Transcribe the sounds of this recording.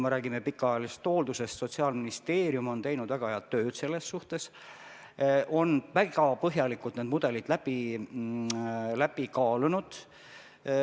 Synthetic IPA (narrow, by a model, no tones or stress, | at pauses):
meɾæːɡ̥imepikːˑɑɑjɑliset̪ho̞ːld̪̥use̞st̪so̞t̪siɑːlminist̪e̞ːɾiumo̞nt̪e̞jnud̪̥væɡ̥ɑheɑt̪ːø̞ːd̪̥se̞lːe̞sːuht̪e̞s | ʔo̞nvæɡɑpɤɦjɑlikːˑult̪ned̪mud̪̥e̞lid̪̥læb̥i | læb̥ikɑːlunud̪̥